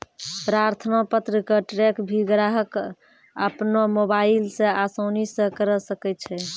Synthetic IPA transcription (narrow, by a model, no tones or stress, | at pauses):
pɾaɾt̪ʰənapət̪ɾəkeʈɾekbʱiɡɾaɦək | əpnomobailsẽasəwnisə̃kəɾəsəkɛt̪t͡ʃʰɛ